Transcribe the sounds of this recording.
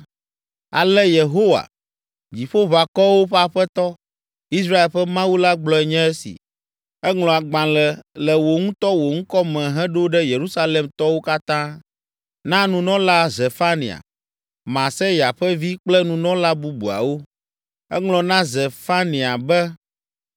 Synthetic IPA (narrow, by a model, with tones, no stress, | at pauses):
a̰˨lɛ˦je˨ɦo˦wa̰˨ | d͡ʑi˨ɸo˦βa˨kɔ˦wo˦ɸɛ˦a˨ɸɛ˦t̪ɔ˦ | i˦sɾa˦e˨lɸɛ˦mã˦wu˦la˦ɡ͡blɔ˦ɛ˨ɲɛ̃˦ɛ˦sḭ˨ | ɛ˦ŋlɔ̃˨a˨ɡ͡bã˨lɛ˨lɛ˨wo˨ŋũ˦t̪ɔ˦wo˨ŋũ˦kɔ˦mɛ̃˨ɦɛ̃˦ɖo˦ɖɛ˦je˨ɾu˦sa˦le˨mt̪ɔ˦wo˦ka˦t̪ã˦ | nã˦nũ˨nɔ̃˦la˦zɛ˨fa˦nḭ̃˨a̰˨ | mã˨sɛ˦ja˨ɸɛ˦vi˦k͡plɛ˦nũ˨nɔ̃˦la˦bu˦bṵ˨a̰˨wo˦ | ɛ̰˦ŋlɔ̃˨nã˦zɛ˨fa˦nĩ˨a˨bɛ˦